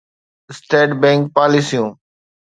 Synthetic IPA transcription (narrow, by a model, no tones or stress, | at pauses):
sʈeːɖbɛ̃ːŋk̚paːlisijũː